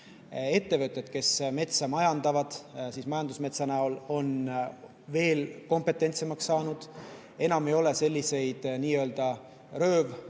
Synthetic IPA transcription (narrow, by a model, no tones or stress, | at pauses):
e̞t̪ːe̞vɨt̪ˑːet̪ke̞sme̞t̪sɑmɑjɑnd̪̥ɑvɑd̪̥siːsmɑjɑnd̪usme̞t̪sɑnæolo̞n | ve̞ːlko̞mpˑe̞t̪ːˑe̞nʲt̪semɑksːɑːnud̪̥ | e̞nɑme̞jo̞le̞se̞lʲːise̞jd̪̥niːø̞ld̪̥ɑ | rø̞ːv